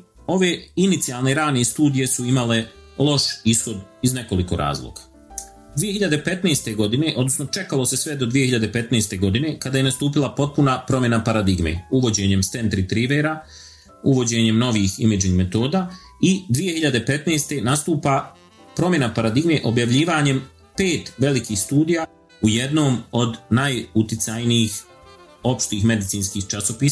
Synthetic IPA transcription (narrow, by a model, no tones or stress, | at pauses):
o̞ʋe̞ːinit̪sialˠne̞ɾaːnest̪uːd̪ije̞suimale̞ | lˠo̞ʃisxo̞d̪izne̞ko̞liko̞ɾa̰ːzlˠo̰ɡ̥ḁ | d̪ʋije̞çiʎad̪e̞pe̞t̪neːst̪e̞ɡo̞d̪ine̞ʔo̞d̪nosno̞t͡ʃe̞kalˠo̞se̞sʋed̪o̞d̪ʋijeiʎad̪epe̞t̪neːst̪e̞ɡo̞d̪ine̞kad̪aːje̞nast̪uːp̬ilˠapo̞t̪̚punapɾo̞mje̞napaɾad̪iɡmḛuʋo̞d͡ʑe̞ːɲe̞mst̪e̞nt̪ɾit̪ɾiʋeːɾa | uʋo̞d͡ʑe̞ːɲe̞mno̞ʋiːxḭmed͡ʒiŋɡmet̪o̞ːd̪aː | id̪ʋije̞hiʎad̪e̞pe̞t̪neːst̪e̞nast̪uːpa | pɾo̞mje̞napaɾad̪iɡme̞ʔo̞bjaʋʎiːʋaːɲe̞m | peːt̪ʋe̞likiːxst̪uːd̪ija | ujed̪no̞ːmo̞d̪najut̪it̪sajnijix | o̞pʃt̪iːxme̞d̪it̪siːnskiːxt͡ʃasopiːs